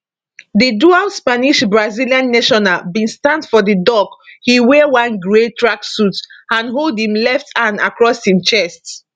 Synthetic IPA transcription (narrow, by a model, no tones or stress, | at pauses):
dədualspaniʃbɹaziliãnːeʃɔnabĩnstãndfɔdədɔkhiwɛwãnɡɹetʰɹaksutãnɦoldhĩmlɛftʰãna̰kɹɔshĩmt͡ʃɛst